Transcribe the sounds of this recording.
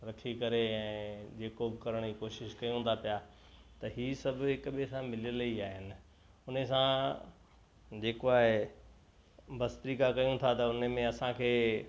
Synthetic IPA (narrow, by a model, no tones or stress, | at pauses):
ɾɐkʰikɐɾeɛ̃ːd͡ʑeːkobkɐɾəɽ̃d͡ʑikoːʃɪʃkɐijũnd̪ʰapija | t̪ɐɦiːsɐbʱɦɪkɓesãmɪləliaːɦɪnɪ̆ | ʊnesã | d͡ʑeːkoaːɦe | bʱɐst̪ɾiːkakɐjũt̪ʰat̪ɐʊnəmẽɐsãkʰeː